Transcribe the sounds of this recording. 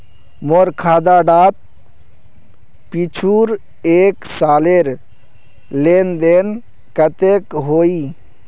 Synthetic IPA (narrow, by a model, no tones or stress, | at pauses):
moɾkʰaːd̪aːɖaːt̪̚ | pit͡ʃʰuːɾ | eːksaːleɾ | lend̪eːn | kət̪ekɦoːiː